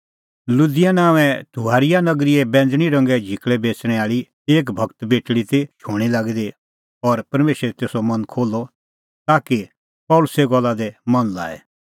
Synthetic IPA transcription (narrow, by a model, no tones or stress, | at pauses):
lʊd̪ɪjanãːʋɛ̃t̪ʰuɦaːɾɪjanɐɡɾiɛbɛ̃ːnd͡zɽ̃iɾɐ̃ŋɡɛd͡ʒʱɪkɭɛbeːt͡sɽ̃ɛ̃aːɭi | eːk̬bʱɐɡt̪beːʈɽit̪et͡ʃʰoːɽ̃ilaːɡid̪e | ɔɾpɐɾmeːʃɾɛt̪eːsɔmɐnkʰoːlːɔ | t̪aːki | pɔːlʊseɡɔlːad̪ɛmɐnla̰ːɛ̰